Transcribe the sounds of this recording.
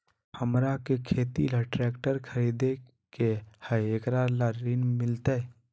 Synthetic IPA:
həmɾakekʰeːt̪ilaʈɾɛːkʈəɾkʰəɾiːd̪e | kehəeːkɾalaɾinmɪlt̪e

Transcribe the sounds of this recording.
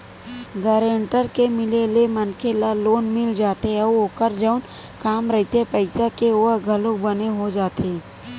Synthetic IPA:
ɡəɾeːɳʈəɾkemɪlelemənkʰelaloːnmɪld͡ʒaːt̪eɔːoːkəɾd͡ʒəʊnkaːmɾɐɦit̪epəɪsakeoəɡʱɐlũbɐneɦod͡ʒaːt̪eː

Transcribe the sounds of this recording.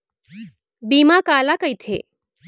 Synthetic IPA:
biːmakaːlakəjt̪ʰḛ

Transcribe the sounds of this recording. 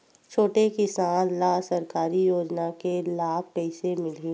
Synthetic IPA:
t͡ʃʰoːʈekɪsãːnlaːsɐɾkaːɾijoːd͡ʒnakelaːpɛːsemɪli

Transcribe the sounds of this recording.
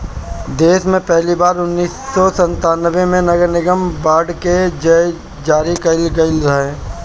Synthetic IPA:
d̪eːsmẽpɛɦlibaːɾʊnːiːsɔsə̃nt̪aːnəʋẽmẽnɐɡəɾnɪɡəmbaːɖked͡ʒə | d͡ʒaːɾikəɪlɡəɪlɾae

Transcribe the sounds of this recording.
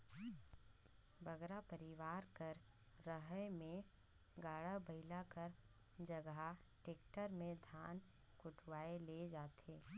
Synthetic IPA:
bəɡɾapəɾɪʋaːɾkəɾ | ɾəɦəjmẽ | ɡaːɽabəɪlakəɾ | d͡ʒəɡɦa | ʈeːk̚ʈəɾmẽd̪ʱaːn | kʊʈʰwaːeled͡ʒaːt̪eː

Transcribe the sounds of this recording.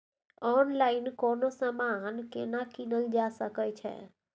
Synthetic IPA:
ɔːnlaːɪnkoːnosəmankenakinəld͡ʒaːsəkət͡ʃʰɛ̰

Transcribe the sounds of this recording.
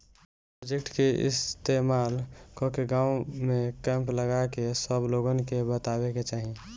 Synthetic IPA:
pɾod͡ʒek̚ʈkeɪ̰st̪emaːlkɔkeɡãːumẽkɛ̃mpləɡakesəbloɡənkebət̪aweket͡ʃaːɦi

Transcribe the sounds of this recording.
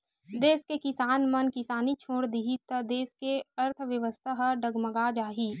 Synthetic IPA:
d̪eːskekɪsaːnmɐnkɪsaːnit͡ʃʰoːɽd̪iɦit̪əd̪eːskeəɾt̪ʰʋjəʋəst̪ʰaɦəɖəɡməɡad͡ʒaːɦiː

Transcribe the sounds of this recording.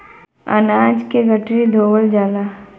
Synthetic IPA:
ɐ̰naːd͡ʒkeɡəʈɾid̪ʱoːʋəld͡ʒaːlaː

